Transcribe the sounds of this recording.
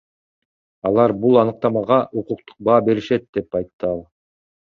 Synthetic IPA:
ɑlˠɑɾbulˠɑnɯq̚t̪ɑmɑʁɑʔuquq̚t̪u̥q̚bɑːbe̞ɾiʃe̞t̪̚d̪e̞pɑjt̪ːɯɑlˠ

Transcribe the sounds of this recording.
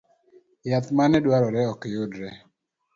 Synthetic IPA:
jat̪manɛdwaɾɔɾɛɔkejʊdɾɛ

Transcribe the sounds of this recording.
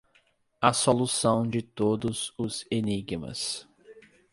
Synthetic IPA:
ɐsolusɐ̃w̃d͡ʒɪt̪od̪ʊzʊz̥eniɡmɐ̰s

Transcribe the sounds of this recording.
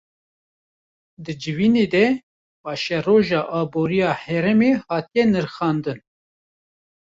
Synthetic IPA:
d̪ɨd͡ʒɨviːneːd̪ɛ | bɑːʃɛroːʒɑːʔɑːboːɾijɑːhɛɾɛmeːhɑːt̪ijɛnɨɾxɑːnd̪ɨn

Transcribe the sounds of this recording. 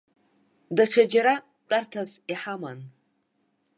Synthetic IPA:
daʈ͡ʂʰad͡ʒaɾa | t͡pʼartʰaziħama̰n

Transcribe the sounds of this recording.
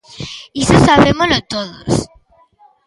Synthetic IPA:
isosaβemolot̪oðos

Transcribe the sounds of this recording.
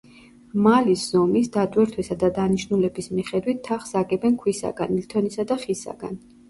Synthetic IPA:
malisz̥ɔmisd̪at̪ʼwɛɾt̪ʰwɛsad̪ad̪aniʃnulɛbismiχɛd̪wit̪ʰːaχsaɡʼɛbɛnkʰwisa̰ɡ̥a̰nlit̪ʰɔnisad̪aχisa̰ɡa̰n

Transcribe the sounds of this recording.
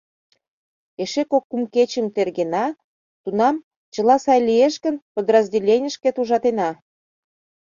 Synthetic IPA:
eʃekokːumket͡ɕə̆mt̪erɣenɑ | t̪unɑm | t͡ɕə̆lɑsɑjlʲieʃkə̆npəd̪rəzʲdʲelʲenʲəʃkĕt̪uʒɑt̪enɑ

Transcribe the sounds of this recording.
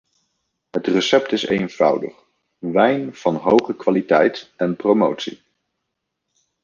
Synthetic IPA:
ɦətrəsɛp̚tɪsḛjnv̥ɑ̰wdə̰χ | ʋɛjnv̥ɑnɦowχəkʋalitɛjtɛnprowmowtsḭ

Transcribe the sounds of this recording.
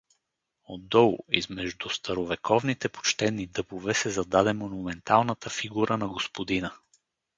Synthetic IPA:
od̪ːɔlˠizmɛʒd̪ust̪ɐɾovɛkʰɔvnit̪ɛpo̥t͡ʃt̪ɛnːid̪ɤpovɛsɛzɐd̪ad̪ɛmonumɛnt̪alˠnət̪əfiɡuɾənɐɡospod̪inə

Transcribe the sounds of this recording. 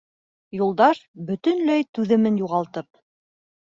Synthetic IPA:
julˠd̪ɑʃbɵ̆t̪ɵ̆nlæjt̪ʉðɘ̆mɘnjuʁɑlˠt̪ɤp̚

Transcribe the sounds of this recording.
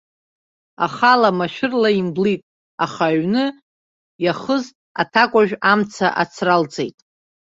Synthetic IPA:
a̰χalamaʃᶣɪrlaimblitʼ | aχaɥnɨ | jaχəz | a̰tʰakʷʼaʒᶣamt͡sʰa̰ʔat͡sʰrald͡zejtʼ

